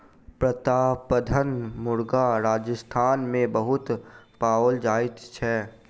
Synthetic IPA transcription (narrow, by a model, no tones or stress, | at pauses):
pɾət̪aːpəd̪ʱənmʊɾɡaɾaːd͡ʒəst̪ʰaːnmẽbɐɦʊt̪paːold͡ʒaːɪt̪t͡ʃʰɛː